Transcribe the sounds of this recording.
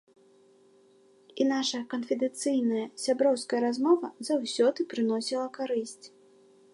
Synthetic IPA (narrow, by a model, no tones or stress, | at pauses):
inaʂɐjɐkɐnfʲɛd̪ɛnt̪sɨjnɐjɐsʲabɾɔwskɐjɐɾazmɔvɐzawsʲɔd̪ɨpɾɨnɔsʲilˠɐkaɾɨsʲt͡sʲ